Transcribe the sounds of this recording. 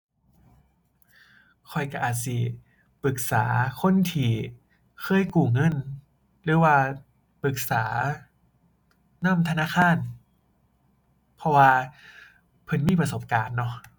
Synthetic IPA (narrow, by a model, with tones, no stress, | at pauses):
kʰɔ˧jka˧˩ʔaː˨˩t̪̚si˨˧˩ | pɯ˨˩k̚saː˩˦kʰo˧˥˨nt̪ʰiː˨˧˩ | kʰɤː˧˥˨jkuː˨˩ŋɤ˧˥˨n | ɾɯː˨˩˦waː˧ | pɯ˨˩k̚saː˩˦ | na˧˥˩mt̪ʰa˧naː˧˥˨kʰaː˧˥˩n | pʰɔ˧waː˧ | pʰɤ˧˩nmiː˧˥˩pɾa˧so˨˩˦p̚kaː˨nːɔ˧˩